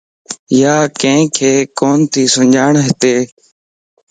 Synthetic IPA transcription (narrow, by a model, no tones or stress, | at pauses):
jaːkə̃ɦɪ̃kʰeːkoːnt̪ʰiːsʊɲd͡ʒʱaːɳɦɪt̪eː